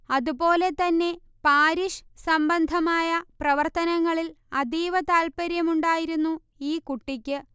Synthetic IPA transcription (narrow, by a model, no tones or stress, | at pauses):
ɐðupo̞ːle̞t̪ɐnːe̞ | paːɾiʂsɐmbɐnd̪ʱɐmaːjɐprɐʋɐrt̪ɐnɐŋːɐɭil | ɐd̪iːʋɐt̪aːlpɐɾjɐmuɳɖaːjiɾunːu | iːkuʈːikʲːɨ